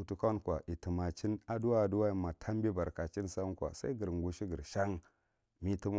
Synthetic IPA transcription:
u˨tu˦ka˦nkʷa˨ʔi˨ti˨ma˨t͡ʃi˦na˨du˦wa˦a˨du˦wa˦i˨ma˨tʰa˦m˦bi˦ba˨ɾka˨t͡ʃi˦nsa˦n˦kwa̰˨sa̰˦i˦ɡi˨ɾŋɡu˨ʃi˦ɡi˨ɾʃa˦ŋ | mi˦ti˦m˦

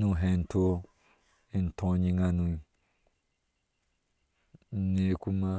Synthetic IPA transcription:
nũ˨ɦẽ˨n˨tʰo˦ | i˨n˨tʰɔ̃˨ɲĩ˧ŋa˧nũ˨˦ | ne˨ku˦ma˦

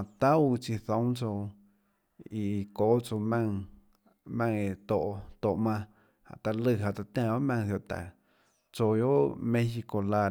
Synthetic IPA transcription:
ã˨t̪a˦u˧t͡ʃi˧θõ˨˦t͡so˧ | i˨koː˨˦t͡so˧mã˧ŋ | mã˧ŋe˧˨t̪o˨ʔt̪o˨ʔmã˧ | a̰˨ʔt̪a˧lɨ˧ɦa˧t͡s̪a˧t̪ã˧˨ba˦ʔmã˧ŋθjo˧ʔt̪a̰˨ | t͡so˧jo˦ʔʔmẽ˦hi˧ko˧la˧

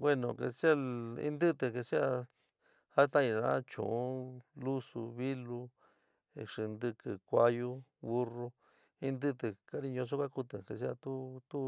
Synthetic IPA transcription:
bwe˦nõ˨kḛ˨si˦a˧ḭ̃˧nd̪ɨ˦t̪e˧˨ke˧si˦a˧ | ha˦t̪ã˦ĩ˧˨nã̰˧˦t͡ʃṵ̃˨ũ˦lu˦sṵ˧βi˦lu˧ | ḛ˧ʂi˧nd̪ɨ˧kɨ˨kʷa˧ju˦βu˦ro˧ | i˧nd̪ɨ˦t̪ɨ˧ka˦ɾi˧ɲõ˧s̬o˦kʷa˦ku˧t̪ɨ˨ke˨s̬i˦a˧t̪u˦t̪u˦

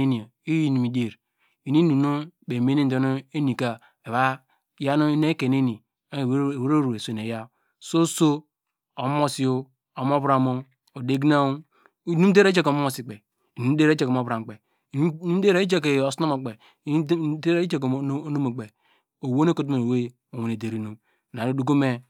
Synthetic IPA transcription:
i˦ni˨i˦ji˦nu˨mi˨de˨ɾ | i˨ni˦nu˨no˦be˨me˦ni˦n̩˨do˦no˦e˦ni˨ka˨ | e˨βa˦ | ja˦no˦ne˦ke˨ne˦ni˨˦˨ | we˦ɾo˦ɾu˨e˨so˨ne˨ja˦ | so˦so˦ | o˨˦mo˦si˨o˦ | o˨m˦o˦bɾa˨mo˦ | o˨de˦ɡna˦ | nu˦de˦ɾe˦e˦ko˨mo˦o˨si˨k͡pe˨ | u˨˦n̩˦de˦ɾe˦t͡ʃe˦kmo˨˦bɾa˨k͡pe˨˦ | de˦ɾe˦i˦t͡ʃe˦ke˨o˨sno˦mo˨k͡pe˨˦ | e˦ɾe˦t͡ʃe˦kno˦mo˨k͡pe˨ | o˨wo˦n˦e˦ko˨tu˦me˨we˦ | o˨we˨ne˨de˨ɾi˦no˨ | na˨ɾo˦du˦ɡo˦me˦

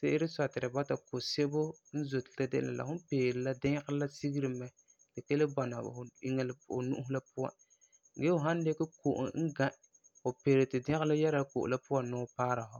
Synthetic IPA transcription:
se˦ʔɪ˦ɾɪ˦sa˨tɪ˨ɨ˨ba˦ta˨ko˨se˦bʊ˦ | n̩˦zo˨tɪ̥˨ta˦dɪ˦ʔla̰˨la̰˨hʊ˦peː˨ɾɪ˨la˦dɪ˦ŋ˦ɣɪ˦la˦si˦ɡi˦ɾɨ˨mɛ˨ | lɪ˨ke˦lɪ˦ba˨na˨i˦ŋɛ˦lʊ̰˨nṵ˦ʊ˦hʊ˦la˦pʊ˦a̰˨ | ɡe˦hʊ˨ɦa˦n˦de˦ka˦ko˨ʔʊ̰˨ŋ̩˦ɡa˦ | hʊ˨peː˨ɾɪ˨tɪ˨dɪ˦ɪ˦la˦ja˦ɾa˨ko̰˨ʔʊ̰˨la˦pʊ˦a˨nʊː˦paː˦ɾa˨ɦʊ˦

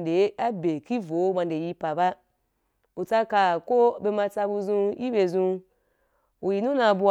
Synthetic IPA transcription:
nde˨˦a˦be˨ki˦vo˨˦ma˧nde˨ji˧pa˨ba˦ | u˨t͡sa˧ka˨ko˦be˧mã˧t͡sa˧bu˧zũ˧ji˦be˧˨zũ˧ | u˨ji˨nũ˦na˧˨bu˧

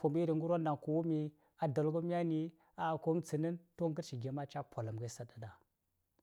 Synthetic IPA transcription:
fu˨mi˦ɾi˨ŋɡu˦ɾo˦nda˨ŋku˨wu˦mi˨ | a˨do˨lɡu˦mi˦a˦ni˦ | a˦˨ko˦t͡sə˨nə˦nto˦ŋɡə˦ɾʃi˨ɡe˨ma˦t͡ʃa˦pʷo˨la˨mɡa˦sa˨˦da˨da˨

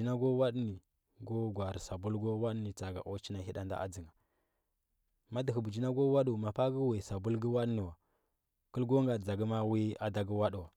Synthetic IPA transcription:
i˦na˦ɡo˦wa˦ɗni˨ | ɡo˦ɡʷa˨ɾi˨sa˨bu˦lɡo˦wa˦ɗni˨t͡sa˨ɡa̰˨ʔo˦t͡ʃi˦na˨hi˦ɗa˦nda̰˦a̰˦d͡zi˨ŋa˨ | ma˦di˨xu˨bu˨d͡ʒi˦na˦ɡo˦wa˦ɗu˨ma˨pa˦ɡi˦we˨sa˨bu˦lɡi˦wa˦ɗni˨wa˨ | kə˦lɡo˦ŋɡa˨d͡za˨ɡi˦ma˦wi˦a˦da˨ɡi˦wa˦ɗu˨wa˨

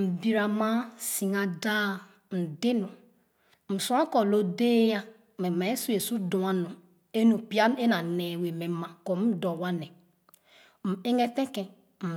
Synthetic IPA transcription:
m̩˨bi˨ɾa˨ma˦si˨ŋa˨da˦ | n̩˨de˦nu˨ | m̩˨su˦a˦ko˨lo˦de˦ja˦ | me˨ma˨˦su˦e˨su˦dũ˨a˦nu˨ | e˦nu˨pi˦a˦n˦e˦na˨ne˨we˨me˨˦ma˨ko˨˦m̩˦do˨wa˦ne˨ | m̩˨e˦ŋe˦te˦ke˨ | m̩˨

